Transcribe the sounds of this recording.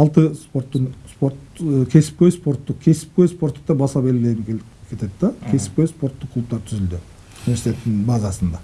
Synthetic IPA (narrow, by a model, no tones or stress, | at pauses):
ɑlˠt̪əspo̞ɾt̪ːənspo̞ɾt̪kʲʰe̞sɪ̥p̚kʲejspo̞ɾt̪ːʊqkʲʰe̞sɪ̥p̚kʲøjspo̞ɾt̪ːəq̚t̪ɑbɑsɑbelɡʲɪle̞jɪmkʲʰe | kʲʰe̞t̪e̞d̪d̪ɑkʲʰe̞sɪ̥p̚kʲøjspo̞ɾt̪ːəqʰlˠup̚t̪ɑɾt̪ʰʏzɪld̪ɪ | nivesit̪et̪ːɪnbɑzɑsənd̪ɑ